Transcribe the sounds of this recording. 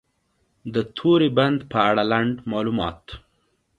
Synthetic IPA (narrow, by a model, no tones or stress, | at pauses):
d̪ət̪ʰoɾeband̪pəaɽalaɳɖmɑlumɑ̰t̪